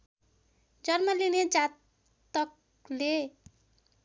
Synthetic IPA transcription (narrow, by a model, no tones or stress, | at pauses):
d͡zʌrmʌlined͡zat̪ | ʌk̚ | le